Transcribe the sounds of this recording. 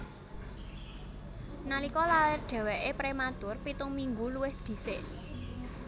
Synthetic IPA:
nalikɔlawɪrɖ̪̥ɛ̤wɛʔepɾemat̪ʊrpit̪ʊŋmiŋɡuluwɪsd̪̥i̤sɪʔ

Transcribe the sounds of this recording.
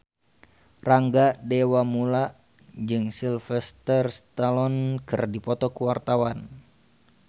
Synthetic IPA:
raŋɡadɛwamulaʔ | d͡ʒɨŋsilfɛst̪ɛrst̪alɔnkɨrdipɔt̪ɔkuwart̪awan

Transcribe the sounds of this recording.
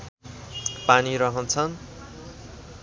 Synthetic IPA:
paniɾʌɦʌnt͡sʰʌn

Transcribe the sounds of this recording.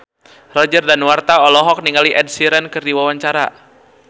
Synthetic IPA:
rɔd͡ʒərdanwart̪aɔlɔɦɔk̚niŋaliʔɛd̚siɾənkɨrdiwawaɲt͡ʃaɾa

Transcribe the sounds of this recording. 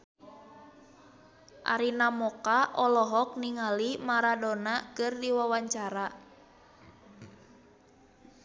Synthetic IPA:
ʔa̰ɾinamɔkaʔɔlɔɦɔk̚niŋalimaɾadɔnakɨrdiwawaɲt͡ʃaɾa

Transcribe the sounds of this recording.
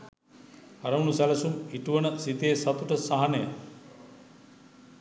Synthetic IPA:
ɐɾɐwnusalɐsumiʈuwɐnɐsit̪eːsɐt̪uʈɐsaɦanɐjɐ

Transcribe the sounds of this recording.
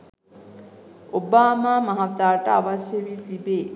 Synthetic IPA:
obaːmaːmɐɦat̪ːaːʈɐaʋɐsjelit̪ibeː

